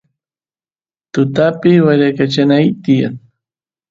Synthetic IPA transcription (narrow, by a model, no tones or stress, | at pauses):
t̪ʊt̪apɪwaʎakat͡ʃanajt̪ɪja̰ŋ